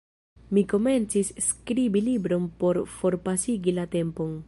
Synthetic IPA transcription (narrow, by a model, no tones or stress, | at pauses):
miko̞me̞nt͡sisːkɾibilibɾo̞npo̞ɾfo̞ɾpasiɡilate̞mpo̞n